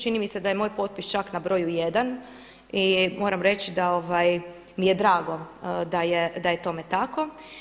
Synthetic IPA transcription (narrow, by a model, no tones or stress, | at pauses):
t͡ʃinimise̞d̪aje̞mojpo̞t̪̚pist͡ʃaknabɾo̞juje̞d̪an | imo̞ːɾamɾe̞t͡ʃid̪ao̞ʋaj | mije̞d̪ɾaːɡo̞d̪ajed̪ajet̪o̞me̞t̪ako̞